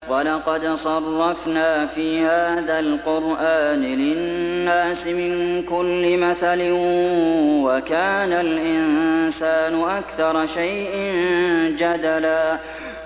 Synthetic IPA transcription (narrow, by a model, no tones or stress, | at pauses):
wɑlɑqɑd̪sˤɑrˤːɑfnaːfiːhaːðalqʊɾʔaːnɪlɪnːaːsɪmɪnkʊlːɪmaθalɪ | wakaːnalʔɪnnsaːnʊʔakθɑɾˤɑʃajʔɪnd͡ʒad̪alaː